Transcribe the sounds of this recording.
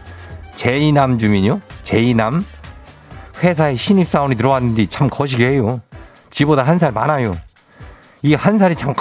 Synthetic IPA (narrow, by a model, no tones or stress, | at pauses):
t͡ɕe̞inamd͡ʑumiɲot͡ɕe̞inam | ɸwe̞sʰaeɕʰiɲip̚s͈aonit̬ɯɾʌwanːɯnd͡ʑit͡ɕʰamkʌɕ̬ʰiɡeɦejo | t͡ɕibodaɦans̬ʰaɭmanajo | ihans̬ʰaɾit͡ɕʰamk